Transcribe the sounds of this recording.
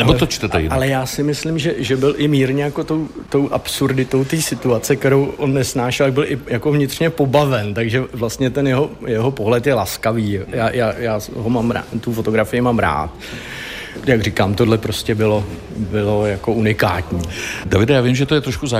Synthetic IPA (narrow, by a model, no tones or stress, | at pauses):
nɛbot̪ot͡ʃt̪ɛt̪ɛ̰jɪ̰alɛjaːsɪmɪslɪmʒɛʒɛbɪlʔɪmiːɾɲɛjako̞t̪o̞wt̪o̞wʔapsuɾdɪt̪o̞wt̪iːsɪt̪uat͡sɛkt̪ɛɾowʔo̞nːɛsnaːʃɛlt̪aɡbɪlʔɪjakovɲɪt̪r̥ɲɛpo̞bavɛnt̪aɡʒɛvlast̪ɲɛt̪ɛnjɛɦo̞jɛɦo̞po̞ɦlɛt̪jɛlaskaviːjaːjaːjaːɦomaːmɾa̰t̪ufo̞t̪o̞ɡɾafɪjɪmaːmɾa̰ːt̪ | jaɡr̝ɪkaːmt̪odlɛpɾoscɛbɪlo̞ | bɪlo̞jako̞ʔunɪkaːt̪ɲiːdavɪdajaːvɪmʒɛt̪ojɛt̪ɾoʃkuza